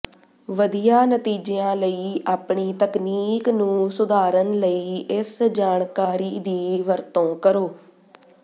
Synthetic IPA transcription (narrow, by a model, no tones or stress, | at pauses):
ʋəd̪ijaːnət̪iːd͡ʒeãːləiːaːpɳiːt̪əkniːknũːsʊd̪aːɾənləiːɪsd͡ʒaːɳkaːɾiːd̪iːʋəɾt̪õːkəɾoː